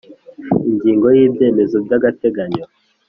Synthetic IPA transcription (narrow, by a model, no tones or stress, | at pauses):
iɲɟiːŋɡo̞jiːbje̞ːme̞zobɟaɡate̞ɡaɲo